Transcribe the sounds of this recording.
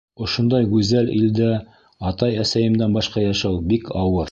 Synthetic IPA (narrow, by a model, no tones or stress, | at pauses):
ŏʃŏnd̪ɑjɡʉzælḭld̪æ | ɑt̪ɑjæsæjɘ̆md̪ænbɑʃqɑjɑʃɑwbikɑwɤɾ